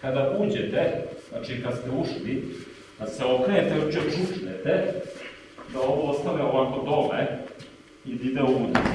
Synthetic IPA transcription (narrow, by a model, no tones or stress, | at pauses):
kad̪aʔuːd͡ʑet̪ez̥na̰ːt͡ʃikad̪st̪euʃli | d̪aseo̞kɾejet̪eot͡ʃiot͡ʃut͡ʃnet̪e | d̪ao̞ʋoost̪aʋeoʋaːko̞d̪ome | id̪id̪euːd̪ḭ